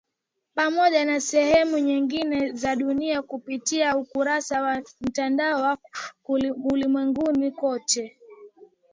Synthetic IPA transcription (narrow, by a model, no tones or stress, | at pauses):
pamɔʄanasɛhɛmuɲiŋɡinɛzaɗuniakupitiaukuɾasawam̩tandaɔwakuulimwɛŋɡunikɔtɛ